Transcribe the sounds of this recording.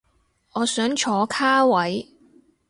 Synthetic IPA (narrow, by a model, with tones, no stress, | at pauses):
ɔː˨˧sœː˨˥ŋt͡ʃʰɔː˨˧˥kʰaː˥wɐ˨˥j